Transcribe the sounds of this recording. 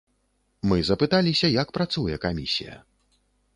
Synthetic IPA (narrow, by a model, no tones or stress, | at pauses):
mɨzɐpɨt̪alʲisʲɐjɐk̚pɾat̪sujɛkamʲisʲḭjɐ̰